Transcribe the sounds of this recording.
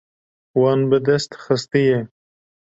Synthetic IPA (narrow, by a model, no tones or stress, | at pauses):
wɑnbəd̪est̪xəst̪ije